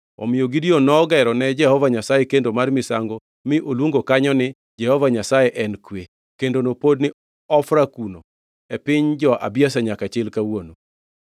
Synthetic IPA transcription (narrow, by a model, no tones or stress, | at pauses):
ɔ̰mɪjoɡidionɔɡɛɾɔnɛd͡ʒɛhɔvaɲasajekendomarmɪsaŋɡo | mɪʔolwoŋɡokaɲɔnɪ | d͡ʒɛhɔvaɲasajɛʔɛnkwe | kendonopod̚nɪ | ɔfɾakuno | ɛpɪɲd͡ʒɔʔa̰bjas̬aɲakat͡ʃɪlkawono